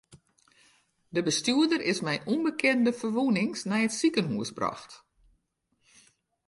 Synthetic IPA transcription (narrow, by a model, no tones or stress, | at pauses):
dəbəstyədərɪsmɛjʔunbəkʰɪndəfərʋunɪŋsnɛjətsikənɦuəsbrɔ̰xt